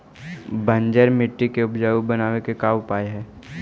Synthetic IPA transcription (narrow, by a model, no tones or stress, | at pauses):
bə̃ɲd͡ʒəɾmɪʈːikeʊpd͡ʒaːubənaːwekekaːʊpaːeɦɛː